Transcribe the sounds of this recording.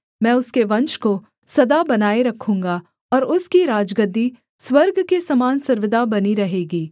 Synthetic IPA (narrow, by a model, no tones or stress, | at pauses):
mɛ̃ːʊskeʋɐ̃nt͡ʃko | sɐd̪abɐnaːeɾɐkʰũːŋɡa | ɔːɾʊskiɾaːd͡ʒɡəd̪i | swɐɾɡkesɐmaːnsɐɾʋɪd̪abɐniɾɐɦeːɡiː